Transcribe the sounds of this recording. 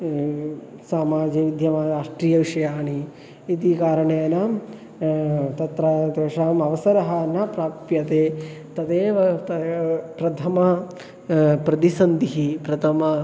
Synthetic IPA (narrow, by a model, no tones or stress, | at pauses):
saːmaːd͡ʒɐʋid̪ʱjɐmaːɾaːʂʈɾiːjɐʋiʂɐjaːɳi | it̪ikaːɾɐɳeːnɐ | t̪ɐt̪ɾɐd̪eːʃaːmɐʋɐsɐɾɐɦɐnːɐpɾaːpjɐt̪eːt̪ɐt̪eːʋɐt̪ɐpɾɐt̪ʰɐmɐ | pɾɐt̪isɐnd̪iɦipɾɐt̪ʰɐmɐ